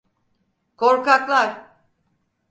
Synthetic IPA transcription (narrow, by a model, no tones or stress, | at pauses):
kʰoɾkaklˠaɾ